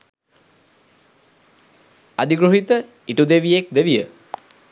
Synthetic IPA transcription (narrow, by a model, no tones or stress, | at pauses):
ad̪iɡɾuɦit̪ə | iʈud̪eʋijek̚d̪eʋijə